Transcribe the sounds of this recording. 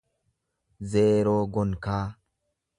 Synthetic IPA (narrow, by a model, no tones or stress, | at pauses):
zeːɾoːɡɔnkaː